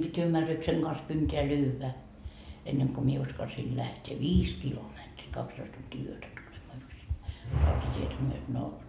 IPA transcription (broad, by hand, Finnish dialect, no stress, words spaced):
b̥itʲ ymːærːykseŋ ɡ̊ɑns kynteː lyːʋæ enːeŋ ko mie uskɑlsiː læhteː ʋiːs kilometri kɑkstoist tuntiː yøtæ tulemɑː yksinːæi rɑutɑtʲietæ myøt no